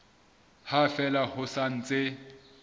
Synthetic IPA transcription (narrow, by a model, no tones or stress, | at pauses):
hafɛlahʊsan̩t͡sʼe